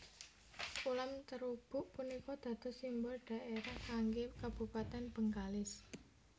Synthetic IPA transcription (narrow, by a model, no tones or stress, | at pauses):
ulamt̪əɾub̥ʊ̤ʔpunikɔd̪̥ä̤d̪̥ɔ̤simbʊrɖ̥a̤ʔeɾahkaŋɡekab̥ṳpat̪ɛnb̥əŋkalɪs